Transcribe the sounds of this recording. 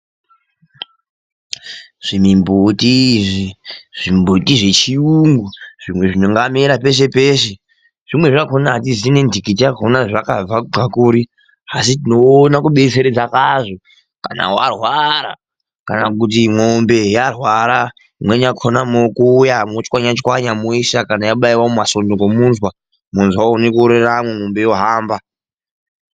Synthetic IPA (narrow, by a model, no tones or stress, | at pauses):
ʐ̥imimbutiʐiʐ̥imbutiʐe̞t͡ʃiuŋɡuʐ̥imwe̞ʐinuŋɡamiɾape̞ʃ̬e̞pe̞ʃe | ʐ̥imwe̞ʐakonaɦat̬izine̞ndikitijakonaʐakab͡vaakuːɾi | asitino̞ːnakuɓe̞seɾed͡zakaʐo | ka̰na̰warwaɾa̰ | kanakut̬imombe̞jarwaɾa | imwe̞ɲakʰonamokuːjamot͡ʃkwaɲat͡ʃkwaɲamoiʃakanajaɓaiwaomaso̞ndokomuːnzwa | munzwaunekuɾeramweŋombe̞joɦaːmba